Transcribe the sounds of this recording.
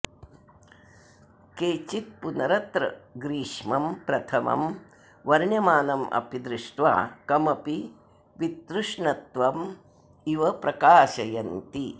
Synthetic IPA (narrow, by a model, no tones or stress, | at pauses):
keːt͡ʃit̪̚punɐɾɐt̪ɾɐ̰ɡɾiːʂmɐmpɾɐt̪ʰɐmɐ̰m | ʋɐɾɳjɐmaːnɐmʔɐ̰pid̪ɾɪʂʈʋa̰ːkɐmɐpi | ʋit̪ɾuʂɳɐt̪ʋɐm | iʋɐpɾɐkaːʃɐjɐnt̪i